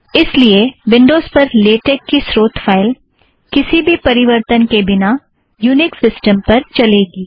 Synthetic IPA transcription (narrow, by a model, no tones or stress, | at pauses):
ɪslieʋɪ̃ɳɖoːzpɐɾleːʈeːkːisɾoːt̪fʰaːɪl | kɪsibʱipɐɾɪʋəɾt̪ənkebɪna | juːnɪksɪsʈəmpɐɾt͡ʃɐleːɡiː